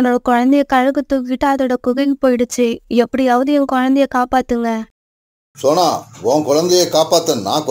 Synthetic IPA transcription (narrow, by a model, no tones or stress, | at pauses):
noɽɐkʊɻɐnd̪ɛjɐkɐɻɐɣɯt̪ːʊkɪʈːaːɐðɯɽɐkʊɣɐɣipːoːjɪɽɯt͡ʃːɯɛpːɐɽiɐʋɐðɪjɐ̃ŋkʊɻɐnd̪ɛjɐkaːpaːt̪ːɯŋɡɐ | sɔnːaːõːkʊɻɐnd̪ɐjɐkaːpaːt̪ːɐnnːa̰ːk